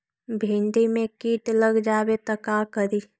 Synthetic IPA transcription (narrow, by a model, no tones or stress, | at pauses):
bʱĩnd̪imẽkiːʈləɡd͡ʒaːwet̪əkakəɾiː